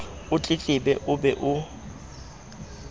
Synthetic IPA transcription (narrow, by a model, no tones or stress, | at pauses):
ʊt͡ɬʼɪt͡ɬʼɪbɛʔʊbɛʔʊ